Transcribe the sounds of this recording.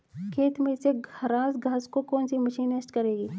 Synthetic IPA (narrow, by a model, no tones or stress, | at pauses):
kʰeːt̪mẽseɡʱɐɾãːsɡʱaːskokoːnsimɐʃiːnesʈkɐɾeːɡiː